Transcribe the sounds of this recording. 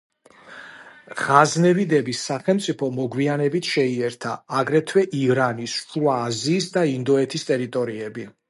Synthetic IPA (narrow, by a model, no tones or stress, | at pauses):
ʁaznɛvid̪ɛbisːaχɛlˠmt̪sʼipʰɔmɔɡwianɛbit̪ʰʃɛiɛɾt̪ʰaːɡɾɛt̪ʰwɛʔiɾanisʃuaːziːsd̪aind̪ɔɛt̪ʰist̪ʼɛɾit̪ʼɔɾiɛbi